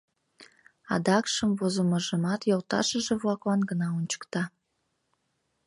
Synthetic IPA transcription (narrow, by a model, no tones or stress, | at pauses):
ɑ̰d̪ɑkʃəmvozoməʒəmɑt̪jolt̪ɑ̰ʃəʒeβlɑklɑnɡənɑunʲt͡ɕə̥kt̪ɑ